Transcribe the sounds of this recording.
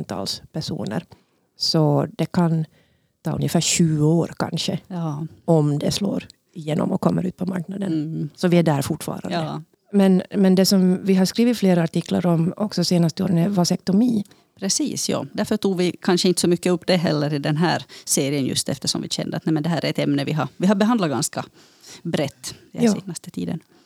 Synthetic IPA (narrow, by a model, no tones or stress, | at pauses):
nt̪ʰɑ̰ːlspʰæʂṵːnə̰ɾ | sɔd̪ɛkʰan | t̪ʰɑːɵ̰njəfæːɾɕʉ̟ːəoːɾkʰa̰nʂə | ɔmd̪ɛslo̰ːɾ | ɪjeːnɔ̰mɔkʰɔmːəɾʉ̟ːt̪̚pʰɔmaɾknad̪ənsɔvɪæɖæːɾfʊʈːfɑ̰ːɾa̰nd̪ | mɛnmɛnd̪ɛsɔmvɪɦaɾskɾiːvɪt̪fleːɾaːʈɪkla̰ɾɔmɔksɔseːnast̪əo̰ːɾənɛvasɛk̚t̪ɔmiː | pʰɾɛsḭːsjɑ̰ːd̪æɾfəʈuːɡvɪkʰanʂəɪnt̪ə̥sɔmʏkːəɵpːd̪ɛɦɛlːəɾɪd̪ɛnɦæ̰ːɾseːɾɪənjɵ̰st̪ɛ̰ft̪əʂɔ̰mvɪɕɛ̰nd̪ə̰t̪nɛmɛnd̪ɛɦæːɾæɾɛt̪ɛmnəvɪɦɑɾvɪɦaɾbɛɦand̪laɡanskɑ | bɾɛt̪ːnst̪ət̪ʰḭːd̪ə̰n